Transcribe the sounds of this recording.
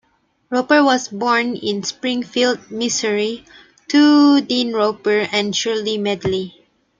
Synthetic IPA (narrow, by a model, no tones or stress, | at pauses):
ɹopəwɔsbɔɹnɪ̃nspɹĩŋfild̚misəɹi | tʰudĩnɹopəɹɛ̃nʃulimɛdli